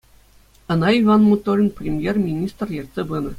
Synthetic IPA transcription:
ɤ̆nɑiʋɑnmut̪ːolʲnprʲemʲjermʲinʲist̪rjerʲt̪ʲsʲebɯnɤ̆

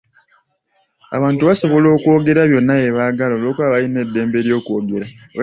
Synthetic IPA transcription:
a̰βaːntuβaso̞βo̞lo̞ːko̞ːɡe̞ɾaβjo̞nːaeβaɡalolo̞ːkwaːβajine̞dːe̞ːmbeɾjo̞ːkuo̞ɡe̞ɾa

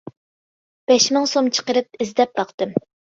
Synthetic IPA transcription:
b̥ɛʃmɪŋsomt͡ʃʰə̥qəɾɨp̚ɪzd̪ɛp̚bɑqt̪ɨm

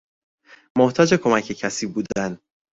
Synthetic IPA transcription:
moht̪ʰɒːd͡ʒe̞kʰo̞mæcʰe̞cʰæsiːbuːd̪æn

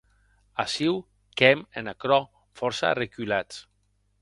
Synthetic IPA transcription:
asiw | kɛmenakɾɔ | fɔɾsa̰rekylat͡s

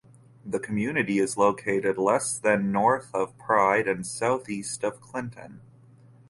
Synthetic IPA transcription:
ðɨkʰm̩jʉnɨɾiɨzloʊkʰeɪɾɨdˡlɛsðɨ̃nːɔɹθʌv̥pʰɹ̥aɪɾɨ̃nsaʊθistʌv̥kʰl̥ɪ̃ntʰɨ̰̃n

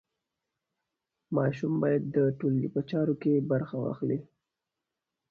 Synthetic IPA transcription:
mɑʃumbɑjad̪ːəʈolːḭpət͡ʃɑɾokebaɾxawɑ̰xli

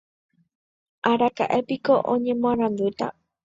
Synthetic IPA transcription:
ʔaɾaka̰ʔe̞piko̞ʔõ̰ɲẽ̞mõãɾ̃ãnd̪ut̪a̰

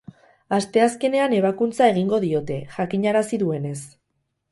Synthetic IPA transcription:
ast̪e̞aske̞ne̞ane̞β̞akunt͡sae̞ɣ̞iŋɡo̞ðio̞t̪e̞ʝakiɲaɾasiðue̞ne̞s

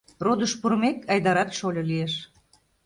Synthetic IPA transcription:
rod̪əʃpuɾmekɑjd̪ɑɾɑk̪ʃolʲolieʃ

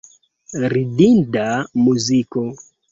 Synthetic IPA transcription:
ridindamuzikɔ

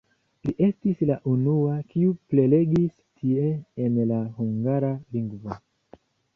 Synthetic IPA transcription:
liʔe̞stislaʔunuakiuple̞le̞ɡis | tʰie̞ːnlahuŋɡaɾaliŋɡvo

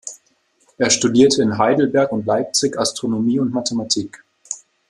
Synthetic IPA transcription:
ʔeːɐʃtudiːɐtʰəɪnɦaɪdl̩bɛɐkʊntlaɪp̚t͡sɪçastʁ̥onomiːʊntmatʰematʰiːk

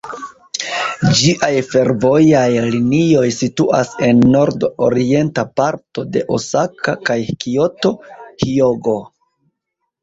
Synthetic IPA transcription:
d͡ʒiʔajfe̞ɾvo̞jajlinio̞jsituʔase̞nːo̞ɾdoɾie̞ntapaɾto̞de̞ʔosakʰakajkio̞to̞hioɡo̞

